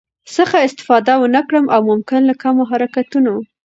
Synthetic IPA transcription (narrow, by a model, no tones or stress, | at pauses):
səxaɪst̪ɪ̥fɑd̪awənəkɽəmʔawmʊmkɪnlakamoɦaɾakat̪uno